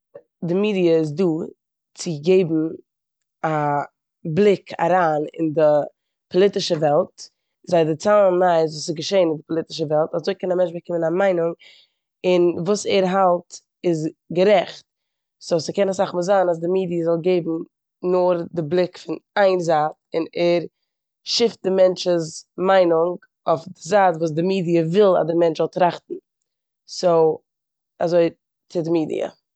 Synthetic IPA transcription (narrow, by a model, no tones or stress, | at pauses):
dɪmiːdiəɪs̬duː | t͡sɪɡeɪbm̩ | a | blˠɪkʰa̰ɾaːnɪ̰ndɪ | pʰɔlˠɪtɪʃəvɛlˠt | zaɪdɪt͡saːlˠnmaɪzvuːsɪɡəʃeɪnɪndɪpɔlˠɪtɪ̥ʃəvɛlˠtazoɪkɛnamɛnt͡ʃbəkɪmənamaɪnʊŋ | ɪnvuːsɛɾɦalˠt | ɪs̬ɡəɾɛχt̚ | soʊsəkɛnas̬aχməzanas̬dɪmiːdiəzɔlˠɡeɪbm̩ | nʊɾdɪblˠɪkfɪnaɪnzaːtɪnɛɾ | ʃɪft̚dɪmɛnt͡ʃəzmaɪnʊŋɡ | ofdɪzaːtvuːs̬dɪmiːdiəvɪlˠa̰dɪmɛnt͡ʃzɔlˠtɾaχtn̩ | soʊ | azoɪ | t͡sɪdɪmiːdḭə̰